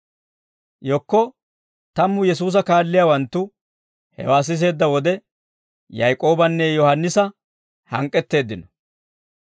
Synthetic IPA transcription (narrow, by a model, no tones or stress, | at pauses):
jɔkːɔ | t̪ɐmːʊjɛs̬uːs̬ɐkaːlːɪjaːwɐnt̪ːʊ | hɛ̰waːs̬ɪs̬e̞ːd̪ːɐwɔd̪ɛ | jɐjkʼo̞ːbɐnːɛjɔhɐnːɪsɐ | hɐŋkʼːɛt̪ːe̞ːd̪ːɪnɔ̥